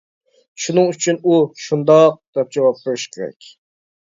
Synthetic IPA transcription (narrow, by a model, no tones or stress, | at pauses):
ʃunɨŋyt͡ʃʰynuʃund̪ɑq̚d̪̥ɛp̚d͡ʒɛwɑp̚qʰɨɾɨʃkʲʰeɾɛ̰kʲ